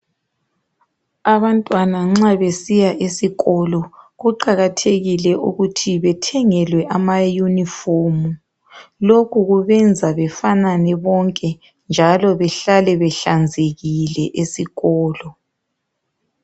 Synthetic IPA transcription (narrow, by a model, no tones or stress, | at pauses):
aβantʼwanaŋ͡ǁaβesijaʔesiɣɔlɔɣuǃaɣatʰeɣilɛʔuɣutʰiβɛtʰɛŋɛlwɛʔamajunifomu | lokʰuɣuβɛnd͡zʱaβɛfananɛβɔŋkʼɛ | nd͡ʒʱalɔβɛɬalɛβɛɬand͡zʱeɣilɛʔesiɣɔːlɔ